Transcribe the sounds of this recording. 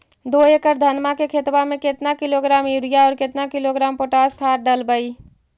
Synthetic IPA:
d̪oekəɾd̪ʱənmakekʰet̪bamẽket̪nakɪloɡɾaːmjuɾijaɔːɾket̪nakɪloɡɾaːmpoʈaːskʰaːɾɖəlbəi

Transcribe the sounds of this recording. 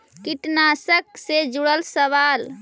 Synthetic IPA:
kiʈnasəksed͡ʒuɽəlsəʋal

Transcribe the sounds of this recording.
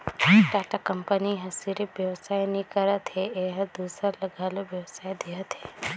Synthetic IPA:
ʈaːʈakɐmpəniɦɐsiɾɪʋjɐwsaːjnĩkəɾət̪ɦeeːɦd̪uːsəɾlɐɡaːloʋjɐwsaːjd̪eət̪ɦeː

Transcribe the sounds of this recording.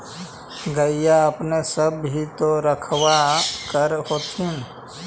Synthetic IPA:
ɡəijaəpnesəbɦit̪oɾəkʰwakəɾɦoːt̪ʰin

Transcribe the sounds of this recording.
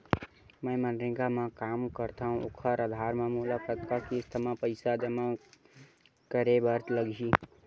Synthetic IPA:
məjmənɾĩɡamãkamkəɾt̪ʰaɦũokʰəɾəd̪ʱaɾmamulapʰətkakist̪ʰəmãpəɪsad͡ʒəma | kəɾebəɾt̪ləɡʱi

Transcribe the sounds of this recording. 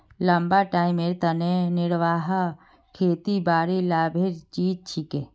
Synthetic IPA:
lɐmbaʈaːimeːɾt̪ɐnenɪɽʋaːɦa | kʰeːt̪ibaːɾilaːbʱeɾt͡ʃiːd͡ʒ̚t͡ʃʰike

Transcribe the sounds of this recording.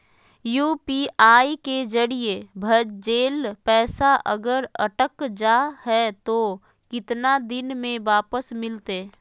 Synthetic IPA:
juːpiʔaːiked͡ʒəɾijebʱəd͡ʒd͡ʒeːlpɛːsaʔə̰ɡəɾəʈəkd͡ʒahɛt̪o | kɪt̪nad̪ɪnmẽʋaːpəsmɪlt̪e

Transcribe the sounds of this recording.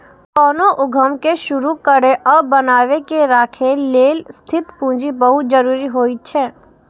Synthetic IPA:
kɔːnoʔʊɡʱəmkeʃʊɾukəɾeʔɔbɐnaːʋekeɾaːkʰeleːlst̪ʰɪt̪pũːd͡ʒibɐɦʊt̪̚d͡ʒəɾuːɾiɦoːit͡ʃʰɛː

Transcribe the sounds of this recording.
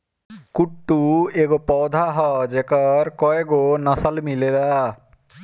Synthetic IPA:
kuʈːueɡopɔwd̪ʱaɦɔd͡ʒekəɾkɔeɡonəsəlmilela

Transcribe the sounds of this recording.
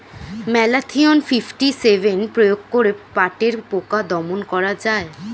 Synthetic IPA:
mɛlat̪ʰionfifʈisevʱenpɾojoɡ̚koɾepaʈeɾpokad̪ɔmonkɔɾad͡ʑae

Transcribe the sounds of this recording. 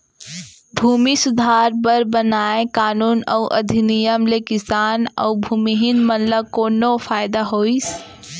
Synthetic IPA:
bʱuːmisʊd̪ʱaːɾbəɾbənaːẽkaːnuːnɔuʔɐ̰d̪ʱinijəmlekɪsaːnɔ̰ːbʱuːmiɦɪnmənləkoːnofʰaːjd̪aɦoːis

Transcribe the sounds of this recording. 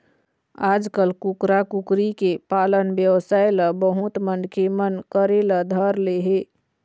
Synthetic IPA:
aːd͡ʒkəlkukɾakukɾikepaːlənbjəʋsajləbəɦut̪mənɖkʰemənkəɾeləd̪ʱəɾleɦe

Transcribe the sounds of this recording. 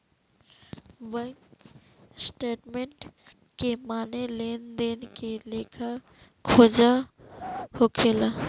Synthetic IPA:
bə | sʈeːʈmeɳʈ | kemaːnelend̪enkelekʰa | kʰod͡ʒa | hokʰela

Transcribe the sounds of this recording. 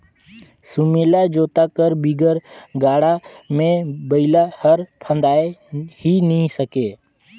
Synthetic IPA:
sʊmelad͡ʒoːt̪akəɾbiɡəɾɡaːɽamẽbəɪlahəɾpʰə̃nd̪aːehinəɦĩsəkeː

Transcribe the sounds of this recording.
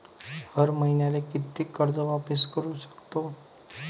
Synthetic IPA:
həɾməɦinjalekit̪ːikəɾd͡zəʋapəskəɾuʃə̥kt̪o

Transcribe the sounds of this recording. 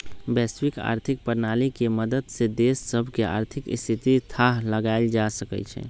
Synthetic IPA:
bɛswika̰ɾt̪ʰik̚pəɾnalikeməd̪əd̪sed̪esːəbʱkea̰ːɾt̪ʰikḭst̪ʰit̪it̪ʰaɦləɡaɪld͡ʒasəkɛ̰t͡ʃʰɛ̰

